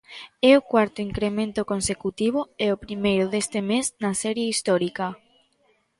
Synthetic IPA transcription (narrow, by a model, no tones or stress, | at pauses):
ɛʊkwaɾt̪ʊiŋkɾemẽnt̪ʊkonsekut̪iβʊɛopɾimejɾʊðest̪ɪmeznasɛɾjeist̪ɔɾikɐ